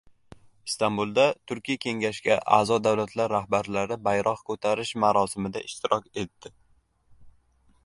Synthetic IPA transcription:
ɪst̪ambulˠd̪at̪ʰʊɾkʲijakʲʰe̞ŋɡʲaʃɡʲaʔa̰zɒd̪awlat̪ʰlaɾːahbaɾlaɾɪbajɾʔɒqkʰɵt̪ʰaɾɪʃmaɾɒsɪmɪd̪a̰ʔɪʃt̪ʰɪɾʔɒkʲe̞t̪ːɪ

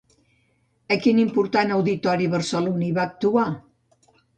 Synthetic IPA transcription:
əkinimpuɾt̪anəwðit̪ɔɾiβəɾsəluniβaːk̚t̪ua

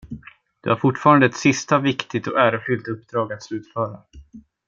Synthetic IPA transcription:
d̪̥ɵ̰haɾfʊʈfɑːɾand̪əɛt̪sɪst̪avɪkt̪ɪt̪ɔʔæːɾəfʏlt̪ɵpːd̪ɾɑːɡat̪slʉ̟ːt̪fœːɾa

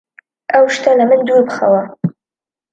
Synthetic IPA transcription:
awʃt̪ʰalamɨnd̪ubχa̰wa

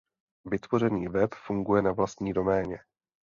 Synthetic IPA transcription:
vɪt̪vo̞r̝ɛniːvɛpfuŋɡujɛnavlast̪ɲiːdo̞mɛːɲɛ

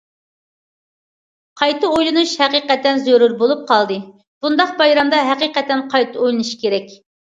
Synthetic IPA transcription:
qʰɑjt̪ɨojlˠɨnuʃhɛqiqɛt̪ːɛnzøɾuɾbolˠup̚qʰɑlˠd̪ɨ | b̥und̪ɑq̚bɑjɾɑmd̪ɑɦæqiqɛt̪ːɛnqʰɑjt̪ʰɨojlˠɨnɨʃkʲʰeɾɛkʲ

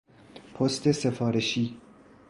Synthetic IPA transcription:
pʰost̪ʰe̞se̞fɒːɾeʃiː

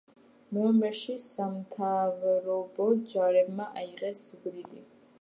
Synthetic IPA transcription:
mɛmɛʃisamt̪ʰavɾɔbɔd͡ʒaɾɛbmaʔaiʁɛsɡʷɾid̪i

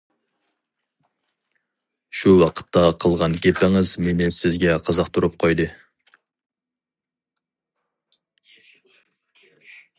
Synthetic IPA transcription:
ʃuwɑqʰə̥t̪ːɑqʰəlˠʁɑnɡʲepæŋɨzmenɪnsɪzɡʲɛqʰɑzɑqt̪ʰuɾɨp̚qʰojd̪ɨ

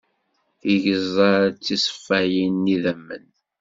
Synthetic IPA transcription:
iʝəzˤɑɾt͡sːisˤfːæjinːiðæmːə̰n

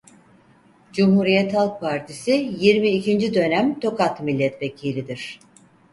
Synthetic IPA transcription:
d͡ʒumhuɾijɛt̪halˠk̚pʰaɾt̪ʰisijiɾmiːcʰind͡ʒid̪ø̞næmt̪ʰo̞kʰat̪milʲːɛt̪vecʰiːlʲid̪iɾ̥

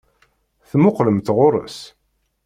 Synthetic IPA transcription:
θmʊqləmt̪ʁʊɾˤə̰s

